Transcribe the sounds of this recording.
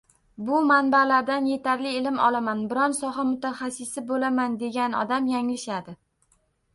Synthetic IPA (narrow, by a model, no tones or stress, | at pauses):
bʊmanbalaɾd̪anje̞t̪ʰaɾlɪɪlɪmɒ̰lamanbɪɾɒnsɒɦamʊt̪ʰaχasɪsɪbolamand̪e̞ɡʲanɒ̰d̪amjaŋlɪʃad̪ɪ